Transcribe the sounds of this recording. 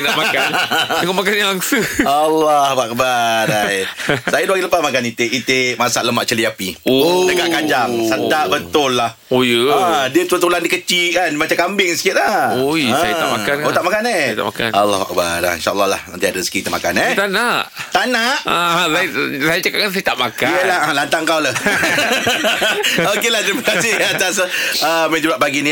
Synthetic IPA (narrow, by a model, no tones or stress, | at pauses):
namakanəŋɔmakanjaŋaŋsəalːɔhak̚baɾajsajaduaɡiləpasmakanit̪eʔit̪emasaʔləmaʔt͡ʃəliapiot͡ʃəkaʔkaɲd͡ʒaŋsəd̪aʔbət̪ʊlːah | ojəadiət̪ut̪uladikət͡ʃikanmat͡ʃakambɪŋsə̥kɪt̪̚laoãajaa̰makanot̪aʔmakanet̪a̰maka̰alːɔ̰ha̰k̚baɾa̰ḭnʃaʔəlːɑhla̰hnə̰nt̪iadəəskit̪əʔma̰kanet̪anaʔt̪anaʔalasajat͡ʃəkaʔkans̬ajat̪aʔmakaiəlahalant̪aŋkawlah | okelaht̪əɾiməkasɪhat̪asəmə̃d͡ʒəbaʔbaɡini